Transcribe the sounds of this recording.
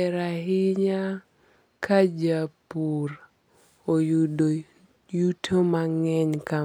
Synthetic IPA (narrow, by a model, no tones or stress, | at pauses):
ɛɾaɦɪɲa | kʰad͡ʒapuɾ | ojdo | jutʰomaŋɛɲka